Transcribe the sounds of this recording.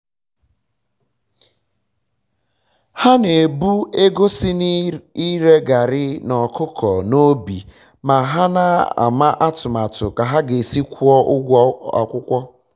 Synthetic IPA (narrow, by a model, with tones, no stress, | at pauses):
ha˦ne˨bu˦e˦ɡo˦sɪ˦i˦ɾe˦ɡa˨ɾɪ˦nɔ˨kʰʊ˦kʰɔ˨no˦bi˨ | ma˨ɦa˦na˦a̰˨ma˦ʔa˦tʊ˨ma˨tʊ˨ka˨ɦa˦ɡe˨si˦kʷɔ˦ɡʷa̰˨kʷʊ˦kʷɔ˦